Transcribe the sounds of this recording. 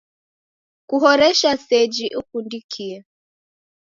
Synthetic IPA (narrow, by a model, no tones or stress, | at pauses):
kuɦɔɾɛʃasɛd͡ʒiʔukundikʰiɛ